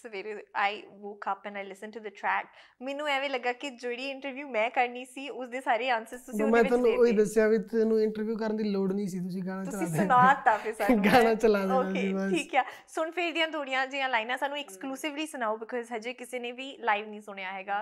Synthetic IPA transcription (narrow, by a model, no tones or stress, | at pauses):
səʋeːɾeaːɪʋoːkəpɛ̃naːɪlɪsə̃nʈuːd̪əʈʰɾɛːk̚mɛːnũːɛːʋeːləɡːaːkɪd͡ʒeːɽiːɪ̃ɳʈəɾʋjuːmɛ̃ːkəɾniːsiːʊsd̪eːsaːɾeːãːnsɪzt̪ʊsĩmɛ̃ːɔnũoiːd̪əsɪjaːʋiːt̪nũːɪ̃ɳʈəɾʋjuːkəɾə̃nd̪iːloːɖnĩːs̬iːt̪̬ʊs̬ĩːɡãːɽ̃ãːt̪ʊt͡ʃəlĩːʊnaːt̪ːaːpʰesãɡaːnaːt͡ʃəlaːd̪oːaeiːəiːkːaːsʊɳpʰɪɾd̪ĩjãːt̪ʰoːɽijãːd͡ʒiːãːlaːɪnãːsaːnũːɛkskluːsɪʋliːsʊnaːoːbɪkɔːzɦəd͡ʒeːkɪseːnẽːʋiːlaːɪʋnĩːsʊɳ̃ejaːɦɛːɡaː